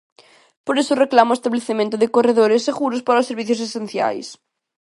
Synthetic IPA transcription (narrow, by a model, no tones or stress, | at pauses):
poɾesʊreklamʊest̪aβleθemẽnt̪ʊðɪkoreðoɾɪseɣuɾʊspaɾaʊsːeɾβiθjʊs̬esen̟θja̰js